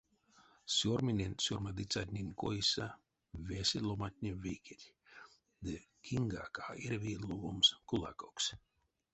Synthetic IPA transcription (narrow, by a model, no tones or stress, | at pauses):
sʲuɾminʲenʲsʲɔɾmad̪it̪sat̪ʲnʲinʲko̰isa | vʲesʲilˠomat̪̚ʲnʲiviːkʲet̪ʲ | d̪ɨ | kʰiŋɡa̰kaːiɾviluɡumskulˠa̰koks